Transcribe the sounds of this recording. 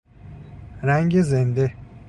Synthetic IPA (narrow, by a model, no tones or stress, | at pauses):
ɾæŋɟezend̪e